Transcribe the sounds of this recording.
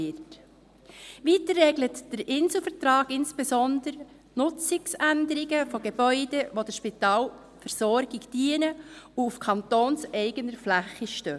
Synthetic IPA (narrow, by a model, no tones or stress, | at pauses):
ɪt | ʋiːtəːɛɡlətd̥əɾɪnsl̩fəɾtɾɑːɡɪnsb̥esɔndəɾ | nʊt͡sɪksændəɾiɡəfoɡeb̥œʏd̥ɛʋod̥əʃpitɑːl | fəɾsɔɾɡ̥ɪɡd̥iənəuufkʰɑntoːnsɛɪɡənəɾflæχːiʃtøː